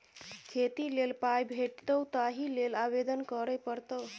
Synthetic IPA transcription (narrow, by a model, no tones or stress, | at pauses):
kʰet̪ilelpajbʱeʈt̪əwt̪aɦilelabed̪ənkəɾəjpəɾt̪əw